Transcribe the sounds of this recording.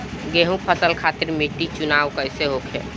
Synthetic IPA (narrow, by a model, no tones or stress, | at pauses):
ɡeɦũk̚pʰəsəlkʰaːt̪ɪɾmit̪it͡ʃʊnaːʋkəɦɪseɦokʰḛː